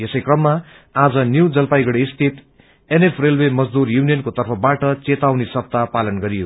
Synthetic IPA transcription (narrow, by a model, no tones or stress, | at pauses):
esʌjkrʌmːa | ad͡zʌnjuwd͡zʌlpajɡʌɽeist̪ʰit̪ | enepʰrelwemʌd͡zd̪urjunijʌnkot̪ʌrpʰʌbaʈʌt͡set̪awnisʌb̚t̪apalʌnɡʌɾijo